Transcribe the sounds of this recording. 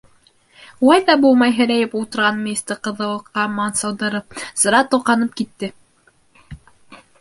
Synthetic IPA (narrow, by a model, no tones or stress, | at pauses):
ulˠɑjðɑbulˠmɑjɦɘ̆ɾæjɘpulˠt̪ŏɾʁɑnmʲinʲist̪əɾqɤ̆ðɤ̆lˠɤ̆qːɑmɑnsɑwd̪ɤ̆ɾɤp̚z̥ɤ̆ɾɑt̪uqɑnɤp̚kit̪ːɘ